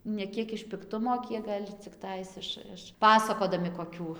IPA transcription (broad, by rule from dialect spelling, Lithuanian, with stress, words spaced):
nʲɛ ˈkʲiɛk ɪʃ pʲɪkˈtʊmoː ˈkʲiɛk ɡɐlʲ t͡sʲɪkˈtɐɪs ˈɪʃ ɪʃ ˈpɑːsɐkoːdɐmʲɪ koːˈkʲuː